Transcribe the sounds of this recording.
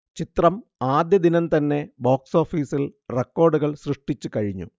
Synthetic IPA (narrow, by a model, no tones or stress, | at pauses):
t͡ɕit̪rɐmaːd̪jɐd̪inɐnt̪ɐnːe̞boːkso̞ːfiːsilre̞kːo̞ːrɖuɣɐɭsrɨʂʈit͡ɕːukɐɻiɲːṵ